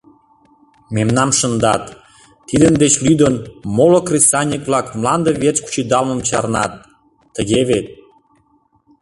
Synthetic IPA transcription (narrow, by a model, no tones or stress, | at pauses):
memnɑmʃə̆nd̪ɑt̪ː | id̪ənd̪et͡ɕlyd̪ənmolokrʲisɑnʲikvlɑkmlɑnd̪əβet͡sku̥t͡ɕid̪ɑlmə̆mt͡ɕɑ̰rnɑ̰t̪ː | əɣeβet̪̚